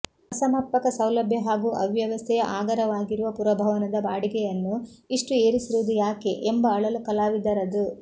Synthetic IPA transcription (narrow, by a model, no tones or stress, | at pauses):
ɐsɐmɐpːɐkɐsɐwlɐbʱjɐɦaːɡuːʔɐʋjɐʋɐst̪ʰɛjɐʔaːɡɐɾɐʋaːɡiɾuʋɐpuɾɐbʱɐʋɐnɐd̪ɐbaːɽiɡɛjɐnːuiʂʈue̞ːɾisiɾuʋud̪ujaːke̞ʔembɐːɭɐlukɐlaːʋid̪ɐɾɐd̪u